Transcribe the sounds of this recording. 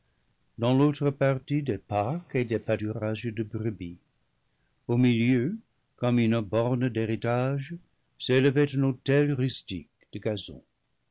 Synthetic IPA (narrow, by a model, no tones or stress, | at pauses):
d̪ɑ̃lot̪ʁəpaʁt̪id̪epaked̪epatyʁaʒəd̪əbʁybi | omiljø | kɔmynbɔʁnəd̪eʁitaʒə | seləvɛt̪ɛ̃not̪ɛlʁystḭkd̪̥əɡazɔ̰̃